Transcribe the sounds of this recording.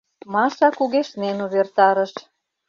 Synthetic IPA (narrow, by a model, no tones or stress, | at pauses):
mɑʃɑkuɣeʃnenuβert̪ɑɾə̆ʃ